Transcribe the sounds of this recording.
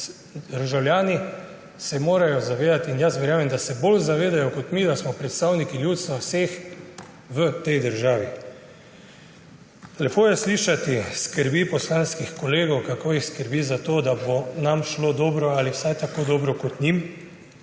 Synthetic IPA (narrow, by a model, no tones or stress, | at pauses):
d̪əɾʒawljaːni | sɛmoːɾajɔzaʋeːd̪at̪injasʋɛɾjaːmɛmd̪asɛbolzaʋeːd̪ajɔkɔt̪mid̪asmɔpɾɛt̪st̪awnikiljuːt̪st̪ʋawseːx | ʋət̪ɛjd̪əɾʒaːʋi | lɛpoːjɛsliːʃat̪iskəɾbipɔslaːnskixkɔleːɡɔwkakoːjixskəɾbizat̪oːd̪abonamʃlod̪ɔːbɾɔaliwsajt̪akod̪ɔːbɾɔkɔt̪ɲim